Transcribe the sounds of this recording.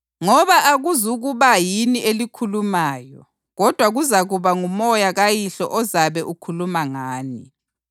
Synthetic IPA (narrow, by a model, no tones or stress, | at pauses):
ŋɔβaʔaɣuzuɣuβajiniʔelikʰulumaːjɔ | ɣɔd̥ʱwaɣuzaɣuβaŋumɔjaɣajiɬɔ̰ʔɔzaβɛʔukʰulumaŋaːni